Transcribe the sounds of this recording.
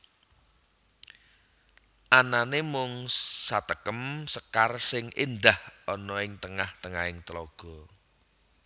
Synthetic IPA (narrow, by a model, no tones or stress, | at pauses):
ʔananemʊŋsat̪əkəmsəkarsɪŋʔind̪ahɔnɔɪŋt̪əŋaht̪əŋa̰ɪŋt̪lɔɡ̥ɔ̤